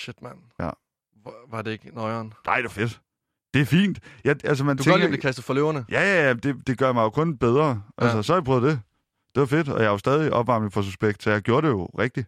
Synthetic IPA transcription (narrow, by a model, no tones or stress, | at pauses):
ɕed̥mæn | jæ̰ | ʋɑ̈deeɡ̥nɒɪɐːnnʔɑ̈ɪ̰d̥e̝ʋɑ̈fe̝d̥ | d̥e̝æɐfḭːnd̥jɑ̈ɪʔælsəmænt͡sdu̥eɡiblekʰæsd̥ð̩ˠfɒløʊɐnəjæjææmd̥e̝d̥e̝ɡ̥ɶɐjmɑ̈ɪjo̝kʰɔ̽nb̥eð̞ˠʁɐʔælsəsɒ̽hæ̈jbpʰœːð̩ˠd̥e | d̥e̝ʋɑ̈fe̝d̥ɒ̽jɑ̈ɪjo̝sd̥ɛːð̞ˠiʔɒ̽b̥ʋɑ̈mlfɒ̽s̬usb̥eɡ̥d̥sɒ̽jɑ̈ɪɡ̥jo̝ːɐɾ̥e̝jo̝ʁɛɡ̥̚d̥i